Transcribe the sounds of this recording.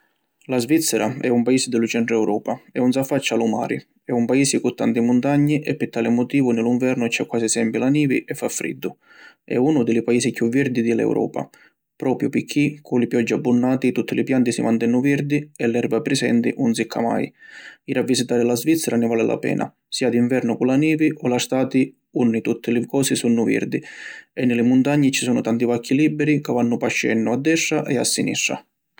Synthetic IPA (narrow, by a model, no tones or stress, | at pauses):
lazvit̪sːɛɾʔaɛumpaiːsɪd̪ɪlʊt͡ʃɛnt̪ɾʊɛwɾɔːpaɛuns̬afːat͡ʃːaluma̰ːɾḭ | ɛumpaiːsikʊt̪ːant̪imʊnt̪aɲːiʔɛpːɪt̪ːaːlɪmʊt̪iːvʊnɪliɱvɛɾnʊɛt͡ʃːɛkːwaːsisɛmpilaniːvḭʔɛfːafːɾḭd̪ːʊ | ɛ̰uːnʊd̪ɪlipaiːsikjuvird̪id̪ɪlɛ̰wɾʔɔ̰ːpa̰ | pɾɔːpɾjʊpɪkʰːikʰulɪpjɔd͡ʒːiabːunːaːt̪it̪ut̪ːilipjant̪isimant̪ɛnːʊviɾd̪iɛlːɛrbapɾɛsɛ̰nt̪ḭnunsikʰːa̰ma̰jiɾavːisit̪aːɾɪlazvit̪sːɛɾanɪvaːlɪlʔa̰pɛ̰ːnʔa̰ | siːad̪iɱvɛrnʊkulaniːviʔɔlast̪aːt̪i | unːit̪ut̪ʰːɪlɪkɔːsisunːʊvḭrd̪iɛnːɪlɪmʊnt̪aɲːit͡ʃisuːnʊt̪ant̪ivakʰːilibːɛɾikavanːʊpaʃːɛ̰nːʊad̪ːɛʂːaʔɛa̰sːinḭʂːa̰